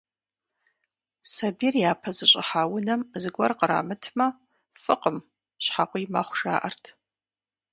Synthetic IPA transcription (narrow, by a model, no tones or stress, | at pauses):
sɐbirjaːpʰɐzɨɕʼɪ̰ħaːwʊnɐmzɨɡʷɐrqəɾa̰ːmɨtʰmɐ | fɨqʼəm | ɕħaqʷʼijma̰χʷʂa̰ːʔɐrtʰ